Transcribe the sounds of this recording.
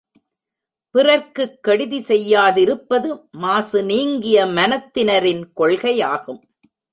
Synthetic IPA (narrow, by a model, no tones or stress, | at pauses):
pɪrɐɾkɯkːɐɽɪðisɛjːaːðɪɾɯpːɐðɯmaːsɯniːŋɡɪjɐmɐnɐt̪ːɪnɐɾɪnkɔɭɣɐjaːɣɯm